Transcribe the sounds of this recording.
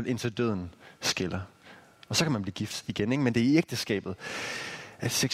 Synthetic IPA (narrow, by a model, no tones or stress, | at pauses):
ælʔe̝nt͡sʰed̥øð̞̰ˠn̩sɡ̥elɐ | ɒ̽sɒ̽kʰæmænb̥liːɡ̥ifd̥iɡ̥eneɡ̥mend̥e̝æieɡ̥̚d̥əsɡ̥ɛ̰ːb̥ð̞̩ˠ | ʔæd̥seɡ̥